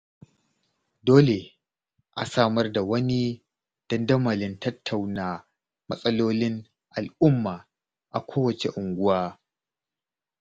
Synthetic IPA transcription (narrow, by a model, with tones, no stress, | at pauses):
doː˦le˨ | ʔa̰˨saː˦mɐ˦rda˨wɐ˦ni˦ | d̥ɐ˦ndɐ˦mɐ˨lɪ˦ntʰɐ˦tʰːa˨wnaː˦ | mɐ˦sʼɐ˦loː˦lɪ˦ŋ | ʔa˨lʔʊ˦mːaː˨ | ʔa̰˨kʷʰoː˦wɐ˨t͡ʃe˨ʔʊ˨ŋɡʷʊ˦waː˦